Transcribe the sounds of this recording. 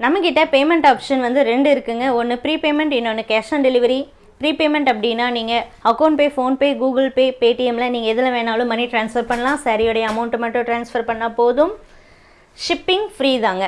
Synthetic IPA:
nɐmːɐkːɪʈːɐpeːmɛɳʈaːpʂɐnʋɐnd̪ɯɾɛɳɖɯɪɾɯkːɯŋɡɐɔnːɯpɪɾiːpeːmɛɳʈɪnːɔnːɯkaːsɐ̃nɖɛlɪʋɐɾi | pɪɾiːpeːmɛɳʈɐp̬ːɐɽɪnːaːniːŋɡɐɐkːoːnpeːfoːnpeːɡuːɡɐlpeːpeːʈɪjɛmlɐniːŋɡɐɛðɯlɐʋeːnaːlɯ̃mɐnːiʈɾaːnsfɐɾpɐɳːɐlãːsɐɾɪjɔɽɐjɐɐmɐʊɳʈɯmɐʈːɯ̃ʈɾaːnsfɐɾpɐɳːɐpoːðɯm | ʂɪpːɪŋfɪɾiːðaːŋɡɐ

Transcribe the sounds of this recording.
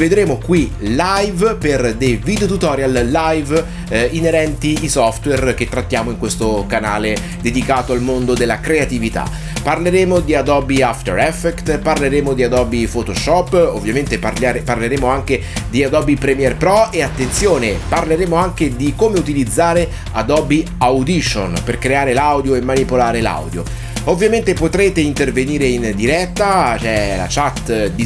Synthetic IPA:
ved̪ɾeːmokwilajvperd̪ejvid̪eot̪ut̪ɔːɾjalːajv | ineɾɛnt̪iːsɔft̪werk̟et̪ːɾat̪ːjaːmoiŋkwest̪okana̰ːle | d̪ed̪ikaːt̪oalmond̪od̪elːakɾeat̪ivit̪a̰ | parleɾeːmod̪iad̪ɔbiaft̪ḛɾɛfːɛkt̪parleɾeːmod̪iad̪ɔbifot̪oʃɔpːo̰vːjament̪earlaɾeparleɾeːmoaŋk̟ed̪iad̪ɔbipɾɛmjɛrpɾɔeat̪ːent̪sjoːneparleɾeːmoaŋk̟ed̪ikomeut̪ilid̪zːaːɾe | a̰d̪ɔbi | awd̪iʃo̰nperkɾeaːɾelawd̪joemːanipolaːɾela̰wd̪jo̰ | ovːjament̪epot̪ɾeːt̪eint̪erveniːɾeind̪iɾɛt̪ːat͡ʃɛla̰t͡ʃat̪ːd̪i

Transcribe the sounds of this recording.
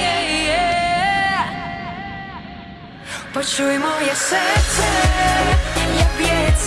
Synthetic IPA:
ɛɛ | pɔt͡ʃujmɔjɛsɛɾt̪sɛ | ɲɛbʲjɛs

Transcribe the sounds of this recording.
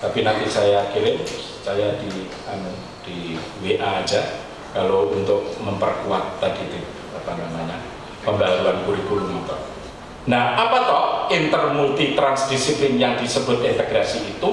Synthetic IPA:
t̪apinant̪isajakilɪm | sajadi | anu | d̥i | weʔaːd͡ʒa | kalount̪ʊk̚məmpərkuat̪ːaɡit̪ɪp | apanamaɲa | pəmbaɾuankuɾiɡulumit̪ɔ | nahʔapat̪ɔhint̪ərmult̪it̪ɾansdisiplɪnjaŋdisəbʊt̪̚int̪əɡɾasiːt̪u

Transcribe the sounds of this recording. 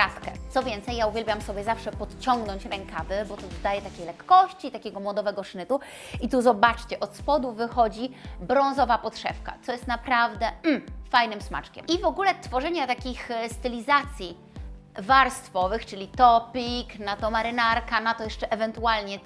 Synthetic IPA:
ɾaskɛ̰t̪sɔvʲjɛnt̪sɛjːauvʲɛlbʲjamsɔbʲjɛzafʂɛpɔt̪t͡ɕɔŋɡnɔɲt͡ɕɾɛŋkavɘbɔt̪ɔzd̪ajɛt̪akʲejlɛkːɔɕt͡ɕit̪akʲɛɡɔmwɔd̪ɔvɛɡɔʂnɘt̪u | it̪uzɔbat͡ʂt͡ɕɛʔɔt̪spɔd̪uvɘxɔd͡ʑibɾɔ̃ñzɔvapɔt̪ʂɛ̰fka̰t̪sɔjɛst̪napɾavd̪ɛm̩fajnɘmsma̰t͡ʂkʲɛ̰mivɔɡulɛt̪fɔʐɛɲat̪akʲixst̪ɘlʲizat̪sʲji | vaɾst̪fɔvɘxt͡ʂɘlʲit̪ɔpʲiknat̪ɔmaɾɘnaɾkanat̪ɔjɛʂt͡ʂɛʔɛvɛnt̪ualɲɛ

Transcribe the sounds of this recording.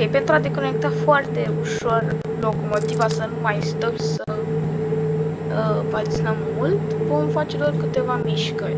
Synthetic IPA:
okejpent̪ɾuad̪eko̞ne̞k̚t̪afoart̪e̞uʃo̞r | lo̞komo̞t̪ivasənumajst̪əmsə | əpat̪sinamːult̪vo̞mfat͡ʃelorkɨt̪e̞vamiʃkəɾʲ

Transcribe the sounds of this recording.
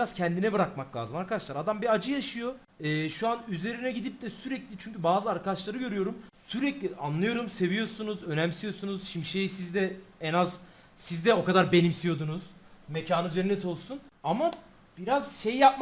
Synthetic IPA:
iɾaz̥cʰɛnd̪inɛbɯɾakmaklʲˠa̰ːzɯmaɾkʰad̪aʃlˠaɾad̪ambiad͡ʒɯjaʃɯjo̞ | ɛːʃuanyze̞ɾinɛɟid̪ip̚d̪ɛsyɾɛclʲit͡ʃʰyɲcybaːzɯaɾkad̪at͡ʃlˠaɾɯɟø̞ɾyjo̞ɾumsyɾɛclʲiʔanlˠɯjo̞ɾumse̞vijo̞ɾsunuzø̞næmsijo̞sunuz̥ʃimd̪iʃe̞jisizd̪ɛɛnaz | sizd̪ɛo̞kad̪aɾbe̞nimsijo̞d̪unuz̥mecʰaːnɯzeɾnːɛt̪ʰo̞lˠsunama | b̥iɾaz̥ʃe̞jijap̚m

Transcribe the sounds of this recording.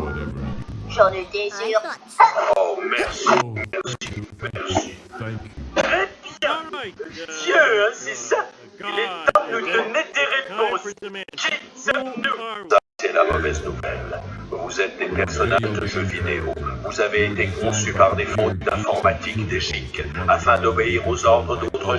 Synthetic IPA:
ʒɑ̃d̪əd̪ezyʁ | omɛʁsimɛʁsimɛʁsi | t̪χɛbjɛ̃ | d̪jøɛ̃sɛsa | ilɛt̪ɑ̃d̪nud̪ɔned̪eʁepɔ̃skʲisavnusasɛlamɔ̰vɛznuvɛ̰lvuzɛt̪̚d̪epɛʁsɔnaʒd̪əʒəvid̪eo̰vuzaveːt̪ekɔ̃sypaʁd̪efɔ̃t̪̚d̪ɛ̃fɔʁmat̪ʰikd̪eʒikafɛ̃d̪ɔbeiʁozɔʁd̪ʁəd̪ot̪χə

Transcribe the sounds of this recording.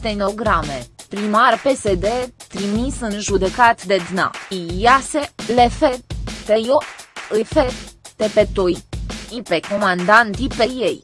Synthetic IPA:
t̪eno̞ɡɾamepɾimarpese̞d̪et̪ɾimisɨnʒud̪e̞kat̪d̪e̞d̪na̰ijaselefet̪ejoəfet̪epet̪ojipeko̞mand̪ant̪ipejej

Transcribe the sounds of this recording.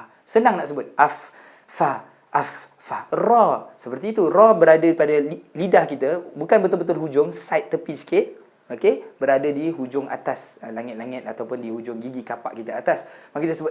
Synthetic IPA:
sənaŋnaʔsəbʊt̪̚ʔafː | a | ʔafː | arɔsəpərt̪iːt̪urɔbəɾadadipadailidahkit̪əbukanbət̪ʊlbət̪ʊlɦud͡ʒʊŋsajt̪̚ːəpisə̥kɪt̪̚ | okebəɾadadiɦud͡ʒʊŋa̰t̪aslaŋɪt̪̚laŋɪt̪̚at̪awpʊndihud͡ʒʊŋɡiɡikapa̰ʔkit̪əat̪asmãkit̪əsəbʊt̪̚

